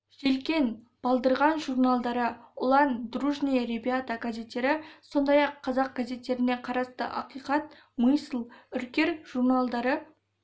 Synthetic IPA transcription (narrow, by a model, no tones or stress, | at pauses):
ʒ̥elkʲe̞n | b̥ɑlˠd̪əɾʁɑnʒurnalˠd̪ɑɾəʊlˠɑnd̪ruʒnijɾebijat̪aɡaze̞t̪ːe̞ɾɪso̞nd̪ɑjɑqʰːɑzɑq̚ɡ̥aze̞t̪ːe̞ɾɪne̞qʰɑɾɑst̪ə̰ʔɑ̰qijqɑt̪̚ | mɨjsəlˠʏɾkʲe̞ɾʒ̥urnalˠd̪ɑɾə